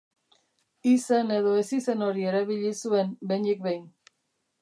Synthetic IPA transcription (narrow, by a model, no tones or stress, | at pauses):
isene̞ðo̞e̞sise̞no̞ɾie̞ɾaβiʎisue̞nbenik̚bejn